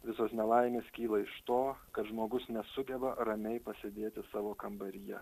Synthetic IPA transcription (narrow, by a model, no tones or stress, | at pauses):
ʋʲɪsoːsnʲɛlˠɐɪmʲeːskʲiːlˠɐɪʃt̪oːkɐt̪ʒmoːɡʊsnʲɛsʊɡʲɛbɐɾɐmʲɛɪpɐsʲed̪ʲeːt̪ʲɪsɑːʋoːkɐmbɐɾʲɪjɛ̰